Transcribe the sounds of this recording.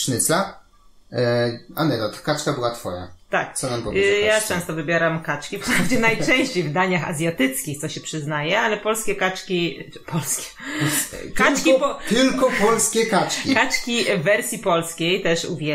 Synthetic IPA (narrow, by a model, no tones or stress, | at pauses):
ʂnɘsla | a̰nɛd̪ɔt̪kat͡ʂkabɘwat̪fɔ̰ja̰t̪ak̪sɔnampɔvejat͡ʂɛ̃w̃st̪ɔvɘbʲjeɾamkat͡ʂkʲipɔpɾavd͡ʑɛnajt͡ʂɛ̃w̃ɕt͡ɕejvd̪aɲaxa̰zʲjat̪ɘt̪skʲixt̪sɔɕɛpʂɘznajɛalɛpɔlskʲɛkat͡ʂkʲi | pʰɔlskʲɛ̥ | tk̪akʲipt̪ɘlkɔpɔlskʲɛkat͡ʂkʲikat͡ʂkʲivɛɾsʲjipɔlskʲejt̪ɛʂṵvʲjɛ